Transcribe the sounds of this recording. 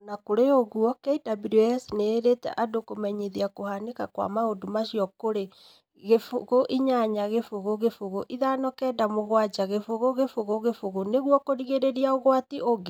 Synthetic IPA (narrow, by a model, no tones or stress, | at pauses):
nakoɾeoɣwɔkɛidabiɾiɛsneːɾetɛ̰ʔadokomɛɲiðiakohanekakwa̰maodomaʃiɔkoɾe | ɣefoɣoʔiɲaɲaɣefoɣoɣefoɣoʔiðanɔkɛːdamoɣwad͡ʒaɣefoɣoɣefoɣoɣefoɣoneɣwɔkoɾiɣeɾeɾiaoɣwatiʔoɣe